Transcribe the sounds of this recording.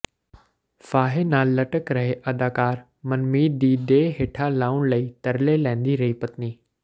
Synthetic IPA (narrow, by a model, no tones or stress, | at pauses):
faːɦenaːlːɐʈəkɾɐɦeʔɐd̪aːkaːɾ | mɐnmiːd̪iːd̪eɦeːʈʰalaːʊnlɐiːt̪ɐɾlelɛ̃ːɪ̃n̆d̪iɾɐɦipɐt̪niː